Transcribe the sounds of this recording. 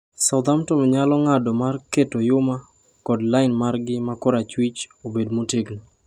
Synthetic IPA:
sawd̪amtɔmɔɲalɔŋadɔmarketojʊma | kɔdlaɪnmarɡɪmakɔɾat͡ʃwit͡ʃobedmoteɡni

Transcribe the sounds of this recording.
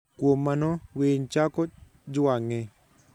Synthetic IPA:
kwomːanɔweɲt͡ʃakɔ | d͡ʒʊwaŋe

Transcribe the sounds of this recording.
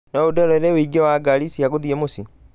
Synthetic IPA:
naodɛɾɔɾeweiɡɛwaɡalisiaɣoðiɛmosi

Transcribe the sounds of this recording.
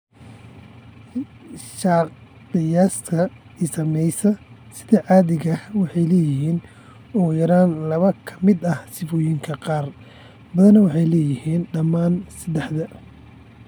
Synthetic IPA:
ʃɑːq | q̪ɪjaːskʰɐ | ɪsɐmɛjsɐsɪ̥ðɛʕɑːðɪɣɐhwɑħɑjlɛːjɪɦiːn | ɔːjɐɾaːnlɐβɐkʰɐmɪd̪ɐhsɪfɔːjɪŋkʰɐqɑːr | bɐðɐnɐwɑħɑjlɛːjɪhiːnɖɐmaːnsɐd̪ɛħd̪ɐ

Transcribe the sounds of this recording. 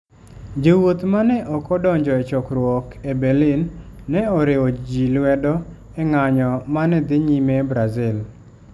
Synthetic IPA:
d͡ʒewot̪manɛʔɔkɔdɔɲd͡ʒɔɛt͡ʃɔkɾwɔkɛbɛlinːɛɔɾeɔd͡ʒilwɛdɔ | ɛŋaɲɔmanɛd̪ɪɲimɛbɾazɪl

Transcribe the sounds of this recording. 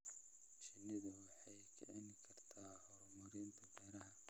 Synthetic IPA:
ʃɪnːɪðɐwɑħɑjkʰɐ̰ʕɛnɪkʰɐrt̪ʰaːhɔɾʊmʊɾɪnt̪ʰɐbɛːɾɐɦɐ

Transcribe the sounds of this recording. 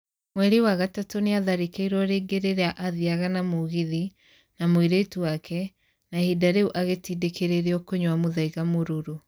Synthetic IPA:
mwɛɾewaɣatatoneaðaɾekeiɾwɔɾeːɡeɾeɾeaʔaðiaɣanamoɣiði | namwiɾetuwakʰɛ | nahidaɾeuʔaɣetidekeɾeɾeɔkoɲwamoðaiɣamoɾoɾo

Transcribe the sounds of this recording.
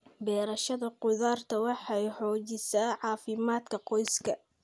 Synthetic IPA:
bɛːɾɐʃɐðɐqʊðaːrt̪ʰɐwɑħɑjħɔːt͡ʃɪsaːʕɑːfɪmaːd̪kʰɐqɔjskʰɐ

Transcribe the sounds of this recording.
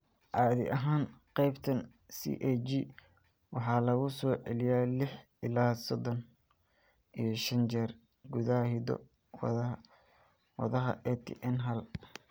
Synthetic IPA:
ʔɑːðɪ̰ʔɐɦaːnqɑjbt̪ʰɐn | sḭʔɛd͡ʒi | wɑħɑːlɐɣʊsɔːʕɛ̰lɪjaːlɪħ | ɪlaːsɔd̪ɔn | ʔijɞʃɐnt͡ʃɛːr | ɡuðaɐhɪd̪ɔ̰ | w | wɐ̰ðɐɦɐ̰ʔɛt̪ʰʔɛnɦɐl

